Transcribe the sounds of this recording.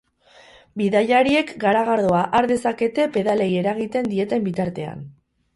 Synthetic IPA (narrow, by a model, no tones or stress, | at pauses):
biðajaɾie̞kɡaɾaɣ̞aɾðoaʔaɾðe̞sake̞t̪e̞pe̞ðale̞je̞ɾaɣit̪e̞nd̪ie̞t̪e̞mbit̪aɾt̪e̞a̰n